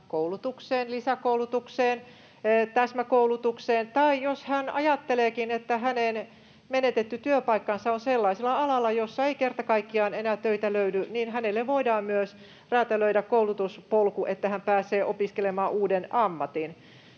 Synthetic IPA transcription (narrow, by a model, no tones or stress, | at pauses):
koulut̪ukseːnlisækoulut̪ukseːnː | t̪æsmækoulut̪ukseːnt̪ɑijoshænɑ̰jɑt̪ːeleːkinet̪ːæɦænen | menet̪et̪ːyt̪yøpɑikːɑnsɑonselːɑiselɑɑlɑlːɑjosːɑeikert̪ɑkɑikːiɑːnenæt̪øit̪æløydyninhænelːeʋʋoidɑːmmyøs | ræːt̪æløydækkoulut̪uspolkuʔet̪ːæhæmpæːseːʔopiskelemɑːʔuːdenɑmːɑt̪in